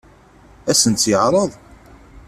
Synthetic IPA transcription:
æsənt͡s̪ːjəʕɾˤəðˤ

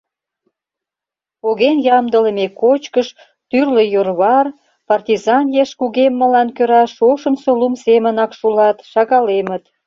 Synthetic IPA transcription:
oɣenjɑmd̪ələmekot͡ɕkəʃ | t̪yrlejorβɑr | pɑrt̪ʲizɑnjeʃkuɣemːə̆lɑnkøɾɑʃoʃəmsolumsemənɑkʃulɑt̪ʃɑɣɑlemət̪

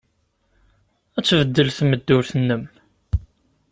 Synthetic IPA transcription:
æt͡sːvəd̪ːəlθməd̪ːʊɾθənːəm

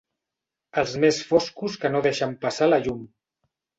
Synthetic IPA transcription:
əlˠzmesfoskuskənoðeʃəmpəsaləʎum

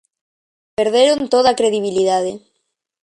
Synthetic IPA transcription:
peɾðeɾont̪oðakɾeðiβ̞iliðaðe

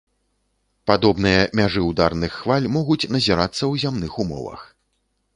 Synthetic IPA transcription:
pad̪ɔbnɨjɐmʲaʐɨwd̪arnɨxːvalʲmɔɣut͡sʲnɐzʲiɾat̪sːɐwzʲamnɨxumɔ̰vɐ̰x

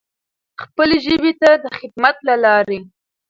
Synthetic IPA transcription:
xpəleʒəbet̪ad̪əxɪd̪̚mat̪lalɑɾe

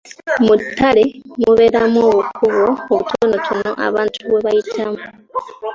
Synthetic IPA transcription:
mutʰːalemuβe̞ɾamoβukuβwoːβutʰonotʰuno̰ʔa̰βaːntʰuβweβajitʰamu

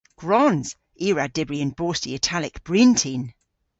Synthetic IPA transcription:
ɡ̥ɹɔnz̥ | iːɹadɪbɹiə̃nb̥ɔːˑstiətʰalɪkb̥ɹĩntʰĩn

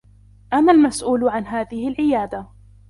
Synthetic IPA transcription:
ʔamːalmasʔuːlʕanɦaːðɪhɪlʕɪjaːd̪a

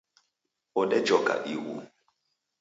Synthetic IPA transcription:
ɔɗɛd͡ʒɔka̰ʔiwṵ

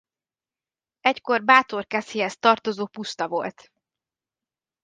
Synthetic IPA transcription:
ɛcko̞rbaːt̪o̞rkɛsiɦɛst̪ɒrt̪o̞zoːpust̪ɒvo̞̰lt̪

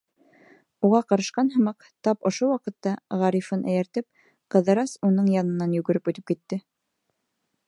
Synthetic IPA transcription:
uʁɑqɑɾɑʃqɑnɦɤ̆mɑq | t̪ɑpŏʃowɑqɤ̆t̪ːɑʁɑɾifɤnʔæjæ̆ɾt̪ɘp̚ | qɤ̆ðɤ̆ɾɑsunɤɴjɑnɤ̆nːɑnjʉɡɘ̆ɾɘpʉt̪ɘp̚kit̪ːɘ

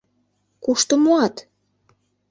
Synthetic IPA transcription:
kuʃt̪omoɑt̪

